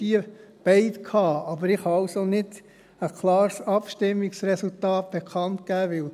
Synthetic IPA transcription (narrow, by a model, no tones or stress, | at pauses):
iəb̥ɛɪtkʰɑːɑbəɾɪχhɑɑlsonɪd̥ | əkʰlɑːɾsɑpʃtɪmːiksrɛsultɑːt̚b̥ekʰɑnt̚kæːʋɪl